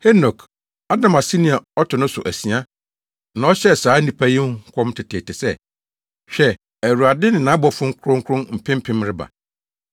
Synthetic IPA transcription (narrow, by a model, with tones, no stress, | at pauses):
he˦nɔ˨k | a˦dã˨ma˨si˦nĩ˦˨a˨ɔ˦tʰʊ˨nʊ̃˦sʊ̰˨ʔæ˨si˨a˦ | nã˨ɔ˦ɕɛ˦˨saː˨˦nĩ˦pʰæ˦jĩ˦kʰɔ̃˦mtʰɪ˨tʰe˨tɪ˨sɛ˦˨ | ɕᶣɛ˦ | æ˨ɾu˨a˨dɪ˦nɪ̃˨nã˨˦bɔ˨fʊ̃˦ŋ̩˦kʰɾʊ̃˦ŋ̩˦kʰɾʊ̃˦m̩˨pʰɪ̃˦m̩˦pʰɪ̃˦mɾɪ˦ba̰˨